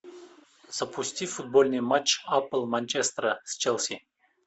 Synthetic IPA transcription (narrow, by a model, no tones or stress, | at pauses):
z̥ɐpusʲtʲifud̪̚bolʲnɨjmat͡ʃːapəlˠmanʲt͡ʃest̪rəst͡ʃɛlʲˠsʲi